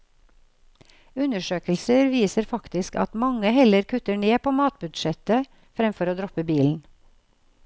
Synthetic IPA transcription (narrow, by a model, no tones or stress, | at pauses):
ʉnəʃøːkəlsəɾʋiːsəɾfɑkt̪ɪskɑ̰t̪mɑŋəhɛləɾkʰʉt̪əɳeːpʰoːmɑːt̪̚bʉd̪ʃɛt̪ə | fɾɛmfɔɾoːd̪ɾɔpəbiːln̩